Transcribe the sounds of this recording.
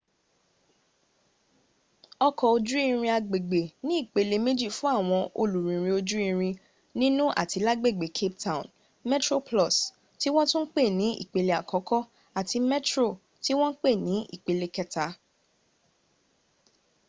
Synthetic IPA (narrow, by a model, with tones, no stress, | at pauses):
ɔ˧kɔ˨o˧d͡ʒu˦ĩ˧ɾ̃ĩ˧a˧ɡ͡be˨ɡ͡be˨nĩ˨˦i˦˨k͡pe˨le˧me˦d͡ʒi˦˨fũ˦a˦˨w̃ɔ̃˧ʔo˧lu˨ɾĩ˨ɾ̃ĩ˧o˧d͡ʒu˦ĩ˧ɾ̃ĩ˧ | nĩ˦nũ˦ʔa̰˦˨ti˨˧la˦ɡ͡be˦˨ɡ͡be˨kʰe˦p̚ta˦˨ũ˨n | mɛ˦tɾo˦plɔ˦˨s | ti˦w̃ɔ̃˦tũ˦n̩˦k͡pe˦˨nĩ˨˦ḭ˦˨k͡pe˨le˧˦a˨kɔ̃˨˦kɔ˦ | a˦˨ti˧mɛ˦tɾo˦˨ | ti˦w̃ɔ̃˦k͡pe˦˨nĩ˨˦ʔḭ˦˨k͡pe˨˧le˧kɛ˦ta˨˦